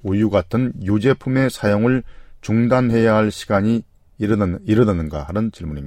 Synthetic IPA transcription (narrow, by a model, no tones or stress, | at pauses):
ujuɡatʰɯnjud͡ʑe̞pʰume̞sʰajoŋɯɭt͡ɕuŋdanhe̞jaɦaɭɕʰi̥ɡaɲi | iɾɯnɯnɯnɡahaɾɯnt͡ɕiɭmuɲimːa